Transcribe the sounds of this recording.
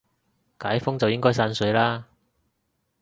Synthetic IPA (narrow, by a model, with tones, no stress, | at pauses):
kaː˨˥jfʊ˥ŋt͡sɐ˨wjɪ˥ŋkɔː˥jsaː˧˥nsɵ˨˥jlaː˥